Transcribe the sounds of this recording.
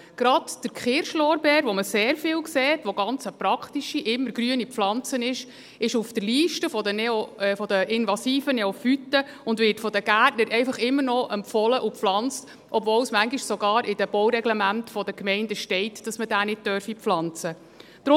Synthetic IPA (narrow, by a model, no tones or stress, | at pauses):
ɡ̥ɾɑdd̥əɾkχɪːɾʃlɔːɾbɛːɾʋɔməseːɾfɪːlkseːtʋoɡɑnt͡səpɾɑkχtiʃiʔɪmːəɾɡɾyənipflɑnt͡sənɪʃ | ɪʃufd̥əɾliːʃtəfɔdənɛofɔdəʔɪnvɑsiːfənɛɔfytə | ʊndʋɪtfɔd̪əɡ̥ætnəɾʔɛɪfɑχɪmːərnɔʔɛmfɔləʔupflɑnt͡st | ʔɔbvɔːwsmæŋɡiʃsɔɡɑːɾʔɪd̥əb̥ɔwɾɛɡlɛmæntfɔd̥əkmɛɪndəʃtɛɪtd̥ɑsmədæːnɪt̚tœɾfipflɑnt͡sə | d̥ɾʊ